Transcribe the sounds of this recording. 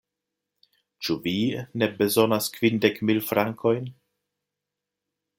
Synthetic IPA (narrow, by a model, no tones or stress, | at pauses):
t͡ʃuvine̞be̞zonaskvindekmilfɾaŋkʰo̞jn